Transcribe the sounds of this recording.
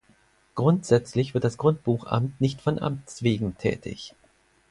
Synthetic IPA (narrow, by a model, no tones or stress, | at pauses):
ɡ̥ʁʊntz̥ɛt͡slɪçv̥ɪɐtd̥asɡ̥ʁʊnt̚b̥uːxʔa̰mtnɪçtfɔnʔa̰mt͡sv̥eːɡŋ̩tʰɛ̰ːtʰɪ̰ç